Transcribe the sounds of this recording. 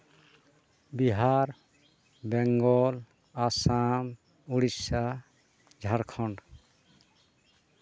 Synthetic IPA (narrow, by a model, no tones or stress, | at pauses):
biɦaɾ | bɛŋɡɔl | asam | uɽisa | d͡ʒʱaɾkʰɔɳɖ